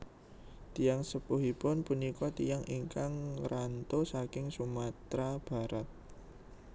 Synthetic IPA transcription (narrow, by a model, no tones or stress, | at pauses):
t̪ijaŋsəpuɦipʊnpunikɔt̪ijaŋʔiŋkaŋɾant̪osakɪŋsumat̪ɾab̥a̤ɾat̪̚